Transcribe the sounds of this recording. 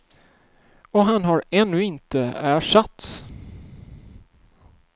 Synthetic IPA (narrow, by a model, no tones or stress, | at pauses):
ɔɦanɦaɾɛnːɵɪnt̪əæːʂat̪s